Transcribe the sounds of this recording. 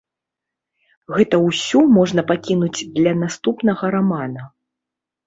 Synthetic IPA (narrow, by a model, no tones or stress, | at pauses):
ɣɛt̪ɐwsʲumɔʐnɐpakʲinud͡zʲd̪lʲɐnast̪upnɐɣɐɾamanɐ